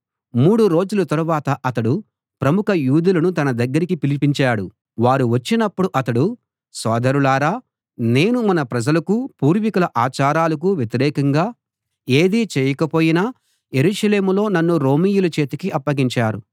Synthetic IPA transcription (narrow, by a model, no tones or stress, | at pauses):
muːɽuɾo̞ːd͡ʒulɐt̪ɐɾuʋaːt̪ɐʔɐt̪ɐɽu | pɾɐmukɐjuːd̪ulɐnut̪ɐnɐd̪ɐɡːɐɾikipilipiɲt͡ʃaːɽu | ʋaːɾuʋɐt͡ʃːinɐpːuɽuʔɐt̪ɐɽu | sɔːd̪ɐɾulaːɾaː | ne̞ːnumɐnɐpɾɐd͡ʒɐlɐkupuːɾʋikɐlɐʔaːt͡ʃaːɾaːlɐk̬uʋjet̪iɾɛːkɐŋɡaː | e̞ːd̪iːt͡ʃɛːjɐkɐpo̞ːjinaː | je̞ɾuːʃɐle̞ːmulo̞ːnɐnːuɾo̞ːmiːjulɐt͡ʃe̞ːt̪ukiʔɐpːɐɡiɲt͡ʃaːɾṵ